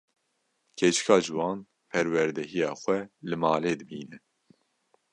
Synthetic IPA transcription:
kʰet͡ʃɨ̥kʰɑːʒɨwɑːn | pʰɛɾwɛɾd̪ɛɦijɑːxʷɛlɨmɑːleːd̪ɨbiːnɛ

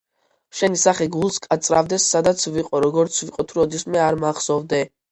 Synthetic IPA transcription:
ʃɛnisaχɛɡulˠskʼat̪sʼɾa̰vd̪ɛsːad̪at̪sʰviqʼɔɾɔɡɔɾt̪sʰviqʼɔt̪ʰuɾɔd̪ismɛaɾmaχsɔvd̪ɛ

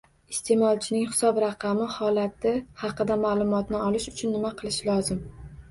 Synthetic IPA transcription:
ɪst̪ʰe̞mɒlˠt͡ʃʰɪnɪŋhɪ̥sɒbɾɑqʰɑmɪhɒlat̪ɪhɑqɨd̪amaːlˠʊmɒt̪nɪɒlɪʃʊt͡ʃʰʊnːɪmaqʰɨlˠɪʃlɒzɪm

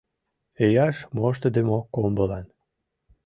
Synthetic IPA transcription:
ejɑʃmoʃ̬t̪əd̪emokombəlɑn

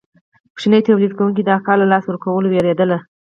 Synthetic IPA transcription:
pʃinəjt̪awlid̪kawuŋk̬id̪əakɑɾlalɑswəɾkawəloweɾed̪əla

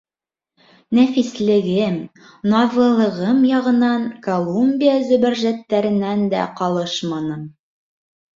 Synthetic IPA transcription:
næfislɘ̆ɡɘm | nɑðlˠɤ̆lˠɤ̆ʁɤmjɑʁɤ̆nɑŋkolˠumʲbʲijazɵ̆bɘ̆ɾʒæt̪ːæɾɘ̆nænd̪æ̰qɑlˠɤʃmɑnɤm

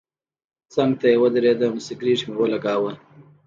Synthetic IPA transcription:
t͡saŋɡ̚t̪ajewəd̪ɪɾed̪əmsikɾiːʈmewəlaɡaːwə

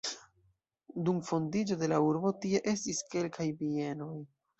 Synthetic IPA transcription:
dumfo̞ndid͡ʒo̞de̞lauɾbo̞tie̞ʔe̞stiske̞lkʰajbie̞no̞j

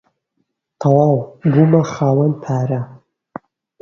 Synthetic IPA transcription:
tʰawawɡumaχaːwanpʰaːɾa

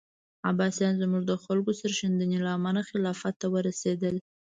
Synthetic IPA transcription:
a̰bɑsjɑnzmuʐd̪əxalkosəɾʃand̪ənelaːmanaxɪlɑfat̪ːawəɾased̪əl

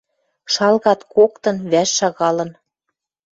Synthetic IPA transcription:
ʃɑlɣɑt̪kokt̪ɤ̆nβæʃːɑɣɑlɤ̆n

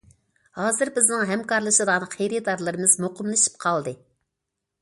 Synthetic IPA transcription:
hɑːzɨɾbɪznɪŋɦɛmkɑɾlˠɨʃɨd̪ɑnɨχʰejɾɨd̪ɑɾlˠɨɾɨmɨzmoqʊmlˠɨʃi̥p̚qʰɑlˠd̪ɨ

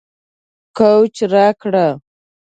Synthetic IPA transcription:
kowt͡ʃɾakɽa

